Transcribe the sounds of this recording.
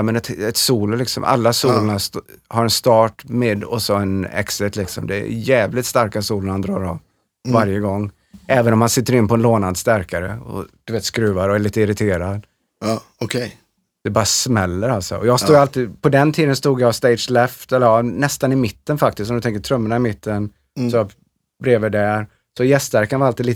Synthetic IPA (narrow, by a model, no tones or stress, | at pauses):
mɛnɛt̪ɛt̪suːllɪksɔ̰mʔa̰lːasuːləɳashaɾɛnst̪ɑːʈmeːd̪ɔsɔɛnɛ̰ksɪt̪lɪksɔ̰md̪ɛɛ̰jɛːvlɪt̪st̪aɾkasuːlənhand̪ɾɑ̰ːɾɔ̰v | vaɾjəɡɔŋː | ɛːvənɔmhansɪt̪ːəɾɪnːpʰɔɛnloːnand̪st̪æɾkaɾə̰ɔ̰d̪̥ɵveːt̪skɾʉːaɾɔæɭiːt̪əɪɾɪt̪ʰeːɾad̪ | ɔkʰɛ | d̪̥ɛbɑːɾasmɛlːəɾalt̪sɔ̰ɔjɑːɡt̪uːɡjalt̪iːd̪pʰɔd̪ɛnt̪ʰiːd̪ənst̪uːɡ̪jast̪ɛɪd̪d͡ʒlɛft̪ɛlːəɾɑnɛst̪anɪmɪt̪ːənfak̚t̪ɪst̪ɔmd̪t̪ɛŋkətʰɾɵmːənaɪmɪt̪ʰːən | sɔjɑ | bɾeːvəɖæɾ | sɔjɛst̪væɾkanvaɾaliːd̪liː